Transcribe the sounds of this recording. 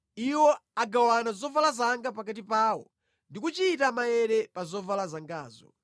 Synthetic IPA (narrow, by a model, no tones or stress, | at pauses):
iwɔaɡawanazɔvalazaŋɡapak̬at̬ipaːwɔ̰ | ndikut͡ʃitamajɛɾɛpazɔvalazaŋɡaːzɔ̰